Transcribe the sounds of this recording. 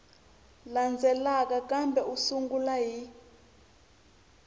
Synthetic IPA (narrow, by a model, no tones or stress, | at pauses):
land͡zʱɛlak̬ʼakambʱɛusuŋɡulaɦi